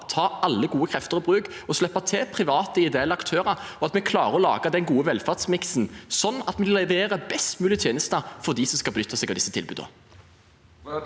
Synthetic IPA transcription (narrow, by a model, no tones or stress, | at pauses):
t̪ʰɑːʔɑlːəɡuːəkʰʁɛft̪əʁɔbʁʉːɡɔslɛpːɑt̪ʰɛːpʰʁɪʋɑːt̪əɪd̪eɛlɑkt̪ʰøːʁɑɔɑt̪mɛkʰlɑːʁəɔlɑ̰ːɡɑd̪ɛnɡuːəʋɛlfɑʁd̪smɪksn̩sɔnːɑt̪mɛɪlːɛʋeːʁəbɛst̪mʉːlɪt̪ʰjeːnəst̪ɑfɔʁd̪iːsɔmskɑlbənʏt̪ːɑsɛːɡɑʋd̪ɪsːət̪ʰɪlbʉ̰ːd̪ə̰